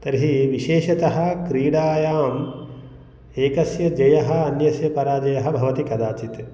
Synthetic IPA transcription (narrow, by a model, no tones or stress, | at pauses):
t̪ɐɾɦiʋiʃeːʃɐt̪ɐɦɐ̆kɾiːɽaːjaːm | eːkɐsjɐd͡ʒɐjɐɦɐ̆ɐnjɐsjɐpɐɾaːd͡ʒɐjɐɦɐbʱɐʋɐt̪ikɐd̪aːt͡ʃit̪